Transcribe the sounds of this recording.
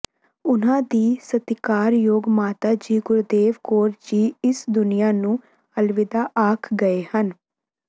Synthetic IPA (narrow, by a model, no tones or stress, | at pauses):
ʊnãːd̪iːsət̪ɪkaːɾjoːɡmaːt̪aːd͡ʒiːɡʊɾd̪eːʋkoːɾd͡ʒiːɪsd̪ʊnijaːnũː | əlʋɪd̪aːʔaːkʰɡəeːhən